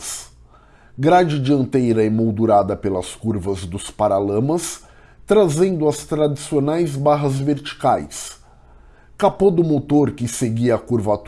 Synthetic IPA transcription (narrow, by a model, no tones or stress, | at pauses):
s | ɡɾad͡ʒɪd͡ʒiɐ̃nt̪ejɾɐemowd̪uɾad̪ɐpelɐskuɾvɐzd̪ʊspaɾalɐ̃mɐs | t̪ɾazẽd̪ʊɐst̪ɾad͡ʒisionajzbaɦɐzveɾt͡ʃi̥kajs | kapod̪ʊmot̪oɾkɪseɡiakuɾvat̪